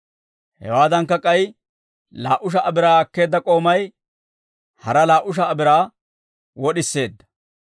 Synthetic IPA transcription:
hɛ̰waːd̪ɐŋkːɐkʼɐj | la̰ːʔʊʃ̬ɐʔɐbɪɾaːɐkːe̞ːd̪ːɐkʼo̞ːmɐj | hɐɾɐlaːʔʊʃ̬ɐːbɪɾaː | wɔɗɪsːe̞ːd̪ːɐ̥

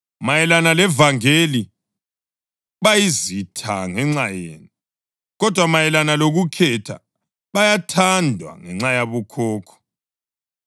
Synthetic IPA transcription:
majɛlanalɛvaŋeli | βajizitʰa̰ŋɛŋ͡ǁajḛːni | ɣɔd̥ʱwamajɛlanaloɣukʰɛtʰa̰ | βajatʰandʱwa̰ŋɛŋ͡ǁajaβukʰɔːkʰɔ̥

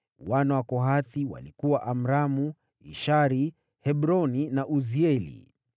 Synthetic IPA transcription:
wanawakɔɦaθiwa̰likuwaʔam̩ɾamu | ḭʃaɾi | hɛbɾɔninaʔuziɛlḭ

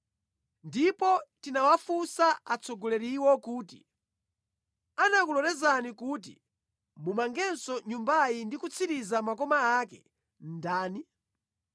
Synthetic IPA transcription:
ndipɔtinawafusaat͡sʰɔɡɔlɛɾiwɔkuːtḭ | anakulɔɾɛzanikuːt̬ḭ | mumaŋɡɛnsɔɲumbajindikut͡sʰiɾizamakɔmaakɛ̰ | n̩daːni

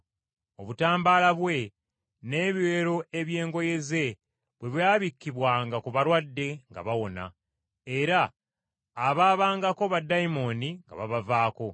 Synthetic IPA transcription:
o̞βutaːmbaːlaβwe̞ | ne̞ːβiwe̞ːɾo̞e̞βje̞ːŋɡo̞je̞ze̞ | βwe̞βjaːβikːiβwaːŋɡakuβaɾwadːe̞ŋɡa̰βawo̞na̰ | e̞ɾaː | βaːβaːŋɡako̞βadːaimo̞niŋɡa̰βaβavaːko̞

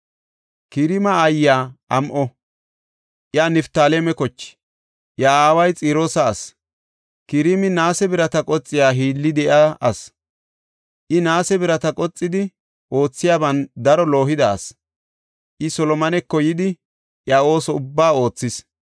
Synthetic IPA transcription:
kɪɾɪmɐːjːaːʔɐmʔɔ | ʔjanɪft̪aːleɛmɛkɔt͡ʃːɪ̥ | ʔjaaːwɐjt͡sʼiːɾoːsɐːs | kɪɾɪmɪnaːsɛbɪɾɐt̪ɐkʼɔt͡sʼːɪjaːɦiːlːɪd̪ɛʔaɐs | ʔɪnaːsɛbɪɾɐt̪ɐkʼɔt͡sʼːɪd̪ɪ | ʔo̞ːt͡sːɪjaːbɐnd̪ɐɾɔlo̞ːɦɪd̪ɐɐ̰s | ʔɪsɔlɔmɐnɛkːɔjɪd̪ɪ | ʔjaʔo̞ːsɔʊbːaːo̞ːt͡sːɪs

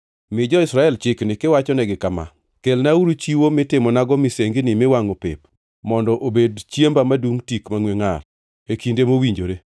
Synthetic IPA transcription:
mɪd͡ʒɔɪsɾaɛlt͡ʃɪknɪkɪwat͡ʃɔnɛɡɪkama̰ | kelnauɾut͡ʃiwomɪtɪmɔnaɡɔmɪseŋɡɪnɪmɪwaŋopḛp | mɔndɔʔobedt͡ʃjembamaduŋtikmaŋweŋal | ekindemowiɲd͡ʒoɾe

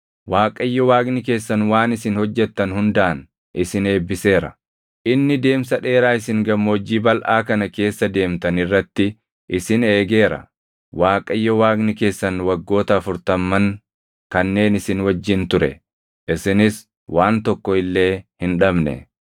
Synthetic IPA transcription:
waːkʼɐɪjːɔwaːɡnɪke̞ːsːɐnwaːnɪsɪnhɔd͡ʒːɛt̪ːɐnhʊnd̪ɐʔɐn | ʔɪsɪne̞ːbːɪse̞ːɾɐ̰ | ʔɪnːɪd̪e̞ːmsɐᶑe̞ːɾaːɪsɪŋɡɐmːoːd͡ʒːiːbɐlʔaːkɐnɐke̞ːsːɐd̪e̞ːmt̪ɐnɪrːɐt̪ːɪ | ʔɪsɪne̞ːɡe̞ːɾɐ̰ | waːkʼɐɪjːɔwaːɡnɪke̞ːsːɐnwɐɡːo̞ːt̪ɐːfʊɾt̪ɐmːɐŋ | kɐnːe̞ːnɪsɪnwɐd͡ʒːɪnt̪ʊɾɛ̰ | ʔɪsɪnɪs | waːnt̪ɔkːɔɪlːe̞ːhɪnᶑɐbnɛ̰

